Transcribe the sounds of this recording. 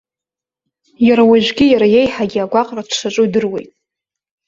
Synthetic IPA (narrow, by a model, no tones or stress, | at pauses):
jaɾawaʒᶣʷɡʲɪjaɾajejħaɡʲiaɡʷaqʼradʰʂaʈ͡ʂʼudɨrwe̞̰jtʼ